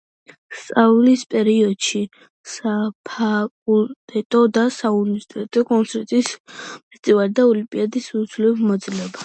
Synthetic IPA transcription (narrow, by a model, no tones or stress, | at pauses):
st̪sʼaulispʼɛɾiɔd̪̥ʃi | sapʰakʼult̪ʼɛt̪ʼɔd̪asaunisi̥t̪ʼɛt̪ʼɔkʼɔnt̪sʰɛɾt̪ʼispʰɛst̪ʼivalid̪aɔlimpʼiad̪isud̪zlɛvmɔd̪zʼilɛba